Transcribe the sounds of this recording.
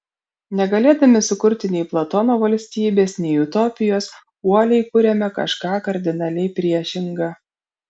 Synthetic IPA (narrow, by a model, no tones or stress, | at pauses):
nʲɛɡɐlʲeːd̪ɐmʲɪsʊkʊɾʲt̪ʲɪnʲɛɪplˠɐt̪ɔnoːʋɐlʲsʲt̪ʲiːbʲeːsnʲɛɪʊt̪ɔːpʲɪjoːs | uɔlʲɛɪkʊɾʲɛmʲɛkɐ̰ʃkɑːkɐɾʲd̪ʲɪnɐlʲɛɪpʲɾʲiɛʃʲɪŋɡɐ